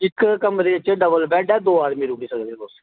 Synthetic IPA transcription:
ɪkkəmd̪eːət͡ʃeɖəbəlbɛːʈɛːd̪oːaːd̪mĩːɾʊkiːsəɡdeːt̪oːs

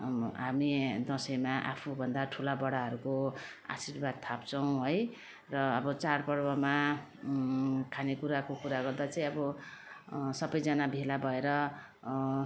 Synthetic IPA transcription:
ɦamid̪ʌsʌjmaʔa̰pʰubʱʌnd̪aʈʰulabʌɽaɦʌɾuko | a̰sirbad̪̚t̪ʰapt͡sʌw̃ɦoj | rʌːbʌt͡sarpʌrbʌma | kʰanekuɾakokuɾaɡʌrd̪at͡saĩʌbʌ | sʌbʌjd͡zanabʱelabʱʌeɾʌ

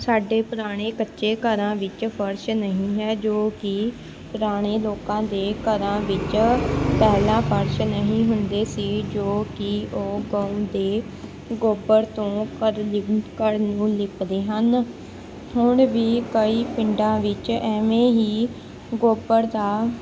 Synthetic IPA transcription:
saːɖeːpʊɾaːɽ̃eːkətːʃeːkəɾãːʋɪt͡ʃpʰəɾʃnəɦĩːɦɛːd͡ʒoːkɪ | pʊɾaːɽ̃eːloːkãːd̪eːkəɾãːʋɪt͡ʃpɛːlãːpʰəɾʃnəɦĩːɦʊnd̪eːsiːd͡ʒoːkɪoːɡə̃ːũːd̪eː | ɡoːbəɾt̪õːkəɾlɪkəɾnũːlɪpd̪eːɦən | hʊɳʋiːkəiːpɪ̃ɳɖãːʋɪt͡ʃɛːmẽːɦiː | ɡoːbəɾd̪aː

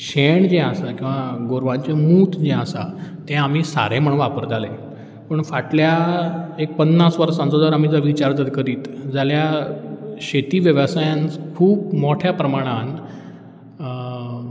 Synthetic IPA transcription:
ɕeɳd͡ʑɛ̃əsakĩw̃ʋaɡoɾʋãnt͡ɕemuːt̪d͡ʑɛ̃əsa̰t̪ɛ̃am̤isa̰ɾẽm̤əɽ̃ʋapəɾd͡zʱalẽ | pəɳfaʈʰljaek̚pənːasʋəɾsãnt͡sod͡zəɾam̤iːd͡zəʋit͡ɕaɾd͡zəd̪kəɾiːt̪d͡zalja | ɕet̪iːʋjəʋəsajãnt͡skʰuːbmoʈʰjapɾəmaɽ̃an

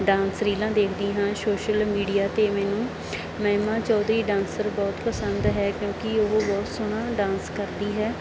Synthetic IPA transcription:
ɖãːnsɾiːlãːd̪eːkʰd̪ĩːɦãːsoːʃəlmiːɖijaːt̪eːmɛːnũː | mɛ̃ːmãːt͡ʃɔːd̪ɾiːɖãːnsəɾbɔːt̪pəsənd̪ɦɛːkjõːkɪoɦbɔːt̪sʊɽ̃ãːɖãːnskəɾd̪iːɦɛː

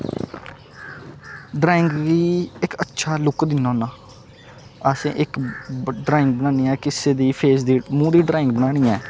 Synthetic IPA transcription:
ɖɾaːɪ̃ŋɡiːɪkətːʃʰaːlʊkd̪ɪnaːnaː | əsḛ̃ːʔɪkɖɾaːɪ̃ŋɡ̚bənãːniːɛːkɪseːd̪iːpʰeːsd̪iːmũːd̪iːɖɾaːɪ̃ŋɡ̚bənaːɽ̃iːɛː

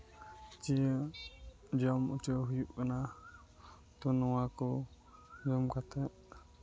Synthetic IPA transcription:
t͡ʃiə | d͡ʒɔmut͡ʃɔɦujuʔkana | t̪ɔnɔwakɔ | d͡ʒɔmkat̪ɛʔ

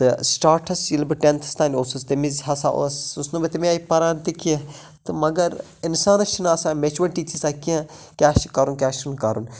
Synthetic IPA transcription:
t̪ɨsʈaːɾʈʰɐsilbɨʈent̪ʰɐ̥st̪ʰaːnʲoːsust̪emizɦɐsa̰ʔo̰susnubɐt̪imiaːipɐɾaːnt̪ikie | t̪ɨmɐɡɐɾ | insaːnɐʃinaːsãːmet͡ʃuʋɐʈiːt͡ʃisakiã | kʲaːʃkɐɾunkʲaːʃunkɐɾun

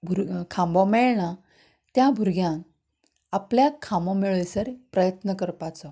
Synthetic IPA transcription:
bʱuɾkʰãmbɔmɛɭɳa | t̪jabʱuɾɡjãn | apljakʰãmbɔmiɭəjsəɾpɾəjət̪nəkəɾpat͡sɔ

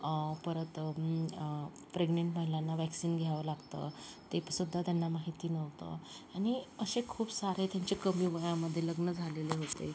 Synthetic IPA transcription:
pəɾət̪ | pɾeɡneɳʈməɦiljanːaʋɛksiːnɡʱjaʋəlaɡt̪ə̰t̪epsud̪ʱːat̪janːamaɦit̪iːnəʋt̪ə̰ | añiəɕekʰuːpsaɾet̪jaɲt͡ɕekəmiːʋəjãməd̪ʱːjeləɡnəd͡zʱaleleɦot̪e

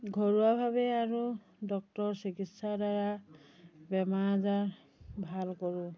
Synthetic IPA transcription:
ɡʱɔɹuwabʱabɛaɹu | dɔk̚tɔɹsikitsadaɹa | bɛmaɹzaɹ | bʱalkɔɹʊ̃

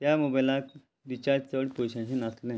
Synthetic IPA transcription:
t̪jamubəlak̚ | dit͡ɕaɾd͡ʑt͡səɽpoɕãɕinaslẽ

